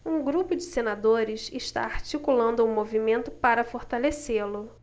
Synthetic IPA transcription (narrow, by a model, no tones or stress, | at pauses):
ũɡɾupʊd͡ʒɪsenad̪oɾɪsɪʃt̪a̰aɾt͡ʃikulɐ̃nd̪ʊumovimẽnt̪ʊpaɾɐfoɾt̪aleselʊ